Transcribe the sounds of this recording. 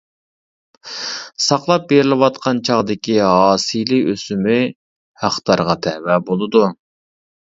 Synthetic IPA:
sɑqlˠɑp̚beɾɪlɪwɑt̪qɑnt͡ʃʰɑʁd̪ɪkʲiɦɑːsijliøsymɪ | hæχt̪ɑɾʁɑt̪ʰɛwɛbolˠɨd̪u

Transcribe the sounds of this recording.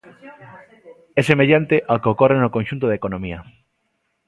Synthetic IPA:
ɛsemeʎant̪eʔakeokorenokonʃunt̪oðekonõmiɐ

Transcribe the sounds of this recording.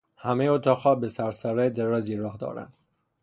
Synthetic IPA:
hæmejoːt̪ʰɒːxhɒːbesæɾsæɾæd̪eɾɒːziːɾɒːhd̪ɒ̰ːɾæ̰nd̪̥

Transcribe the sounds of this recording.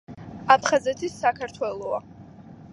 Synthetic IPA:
apʰχazɛt̪ʰisːakʰaɾt̪ʰwɛlˠɔa

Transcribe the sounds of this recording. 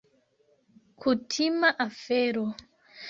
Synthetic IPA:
kʰutʰimaʔafɛɾɔ

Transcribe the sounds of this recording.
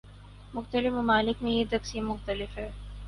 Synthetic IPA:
mʊxt̪əlɪfmɐmaːlɪkmẽjet̪ɐksiːmːʊxt̪ɐlɪfɦɛː

